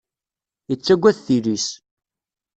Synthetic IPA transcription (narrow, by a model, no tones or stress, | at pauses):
jət͡sːæɡʷːæθθilis